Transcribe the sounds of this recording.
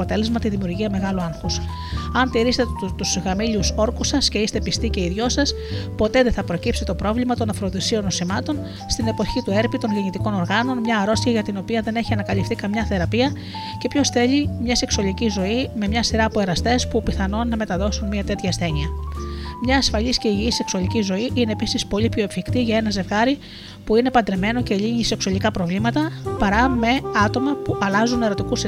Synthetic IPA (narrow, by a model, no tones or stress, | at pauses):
ot̪e̞le̞zmɐt̪iðimiuɾʝiɐme̞ɣɐluɐŋxus | ɐnt̪iɾist̪t̪usɣɐmiʎuso̞ɾkusɐsce̞ist̪e̞pist̪ice̞iðʝo̞sɐs | po̞t̪e̞ðeθɐpɾo̞cipsit̪o̞pɾo̞vlimɐt̪o̞nɐfɾo̞ðisio̞no̞simɐt̪o̞n | st̪ine̞po̞çit̪ue̞ɾpit̪o̞nʝeɲit̪iko̞no̞ɾɣɐno̞nmɲɐːɾo̞st̪içɐʝɐt̪ino̞piɐðe̞ne̞çiɐnɐkɐlifθikɐmɲɐθe̞ɾɐpiɐ | ce̞pço̞sθe̞ʎimɲɐse̞ksuɐlicizo̞ime̞mɲɐsiɾɐːpoe̞ɾɐst̪e̞spupiθɐno̞nːɐme̞t̪ɐðo̞sunmiɐt̪e̞t̪çɐsθe̞niɐ | mɲɐːsfɐʎisceiʝiise̞ksuɐlicizo̞iʔine̞ːpisispo̞ʎipço̞e̞fçikt̪iʝɐe̞nɐze̞vɣɐɾi | puine̞pɐnd̪ɾe̞me̞no̞ce̞ʎiɲise̞ksuɐlikɐpɾo̞vlimɐt̪ɐpɐɾɐme̞ɐt̪o̞mɐpuʔɐlɐzune̞ɾo̞t̪ikus